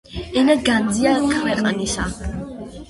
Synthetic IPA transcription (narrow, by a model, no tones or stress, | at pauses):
ɛnaɡand̪ziakʰwɛqʼnisa